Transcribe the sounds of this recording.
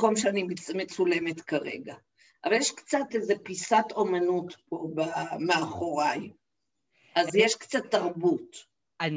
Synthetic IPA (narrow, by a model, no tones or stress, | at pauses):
komʃeanimet͡sule̞me̞tkaʁḛɡa | ʔavaljeʃkt͡sateze̞pisato̞manutpo̞bameaχo̞ʁaj | ʔazjeʃkt͡sat̪ːaʁbut